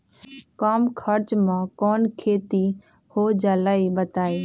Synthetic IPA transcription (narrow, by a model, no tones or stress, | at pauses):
kaːmkʰəɾt͡ʃmãːkɔːnkʰeːt̪i | hoːd͡ʒaːlaːiɓət̪aːeː